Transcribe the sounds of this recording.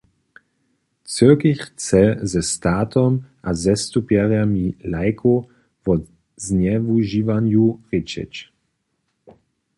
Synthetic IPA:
t͡søkixt͡sɛzɛst̪aːt̪ɔmʔazɛst̪upjɛʁjamilajkʰo | vɔ | znɛvuʒiːvanjuʁɪt͡ʃɛ̰t͡ɕ

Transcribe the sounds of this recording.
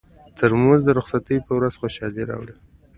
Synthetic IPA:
t̪ʰəɾmozd̪əɾʊxsat̪əjpəwɾazxoʃɑleɾɑ̰wɽe

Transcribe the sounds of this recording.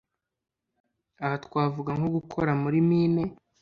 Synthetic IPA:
ahatkwaːvuɡaŋhoɡukʰoɾamuɾimiːne̞

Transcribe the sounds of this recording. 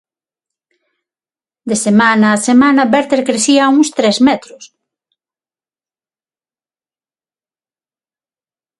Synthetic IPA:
d̪esemanaːsemanɐbɛɾt̪eɾkɾeθiauŋst̪ɾɛzmɛt̪ɾʊs

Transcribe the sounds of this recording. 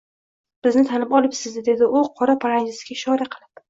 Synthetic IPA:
b̥ɪznɪt̪ʰanɪpɒlˠɪpsɪzd̪d̪e̞d̪ɪʔʊqʰɒɾapʰaɾand͡ʒɪsɪɡʲaʃɒɾaqʰɨlˠɪp

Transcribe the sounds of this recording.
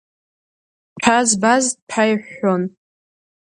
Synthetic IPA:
pʰazbazpʰajħon

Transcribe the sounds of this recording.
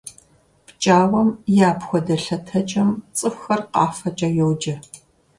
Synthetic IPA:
pt͡ʃʼaːwɐmjaːpxʷɔdɐɬɐtʰɐt͡ʃʼɐmt͡sʼɨxxɐrqɑːfɐt͡ʃʼɐjowd͡ʒɐ

